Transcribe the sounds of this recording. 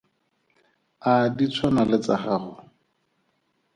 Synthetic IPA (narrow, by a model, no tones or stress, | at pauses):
adit͡sʰwanalɪt͡saχaːχʊ